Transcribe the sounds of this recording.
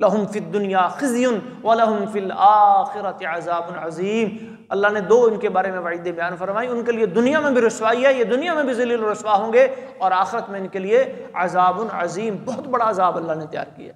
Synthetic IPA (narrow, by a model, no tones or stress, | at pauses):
lɐɦʊmfiɐd̪ːʊnɪjaːxɪzjʊn | ʋɐlɐɦʊmfiːlaːxɪɾɐt̪ɪɐzaːbʊnʕɐziːm | ɐlːaɦned̪oːɪnkebaːɾemẽʋɐʕiːd̪ẽbɐjaːnfɐɾmaːiʊnkelied̪ʊnijamẽbʱiɾʊswaːiɦɛjed̪ʊnijamẽbʱizɐliːlɾʊswaɦõːɡeɔːɾaːxɪɾət̪mẽɪnkelieɐzaːbʊnʕɐ̰ziːmbɔɦʊt̪bɐɽaɐzaːbɐlːaɦnet̪ɐja̰ːɾkḭja̰ː